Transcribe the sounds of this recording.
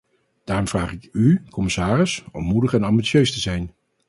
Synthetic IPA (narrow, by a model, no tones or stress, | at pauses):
d̥aːrɔmv̥raːχɪkykɔmɪsaːrɪsɔmːudəχɛnɑmbisøɥstəzɛjn